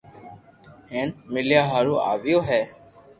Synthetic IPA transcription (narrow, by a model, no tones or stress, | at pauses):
hẽːnmɪljaːɦaːɾũːʔa̰ːʋɪjoːɦɛː